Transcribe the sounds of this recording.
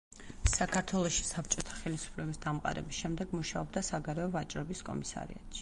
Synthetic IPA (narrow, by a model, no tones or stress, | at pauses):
sakʰaɾt̪ʰwɛlˠɔʃi̥sap̚ʰt͡ʃʼɔt̪ʰḁχɛlisu̥pʰlɛbisd̪amqʼa̰ɾɛ̰bisʃɛmd̪ɛɡmuʃaɔbd̪asaɡaɾɛɔvat͡ʃʼɾɔbiskʼɔ̰misa̰ɾḭa̰t̪ʃi̥